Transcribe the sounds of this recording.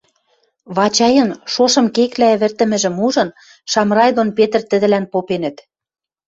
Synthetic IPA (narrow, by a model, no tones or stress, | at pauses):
βɑt͡ɕɑjɤ̆nʃoʃɤ̆mkeklæ̆βɘ̆rt̪ə̆mɘ̆ʒɘ̆muʒɤ̆n | ʃɑmrɑjd̪onpet̪ə̆rt̪ə̆ðɘ̆lænpopenə̆t̪